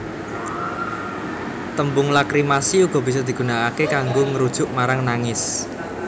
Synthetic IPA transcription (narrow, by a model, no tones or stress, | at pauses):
t̪əmbʊŋlakɾimasiuɡ̥ɔ̤b̥i̤s̬ɔd̪̥i̤ɡ̥ṳnakakekaŋɡoŋəɾud̥ʒ̥ʊʔmaɾaŋnaŋɪs